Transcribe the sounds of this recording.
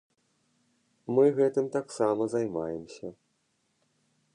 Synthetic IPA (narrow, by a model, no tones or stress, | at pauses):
mɨɣɛt̪ɨmt̪aksamɐzajmajɛmsʲɐ